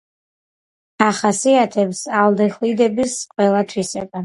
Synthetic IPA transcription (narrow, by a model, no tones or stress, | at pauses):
aχasiat̪ʰɛpsalˠd̪ɛχlid̪ɛbisqʼwɛlˠat̪ʰwisɛba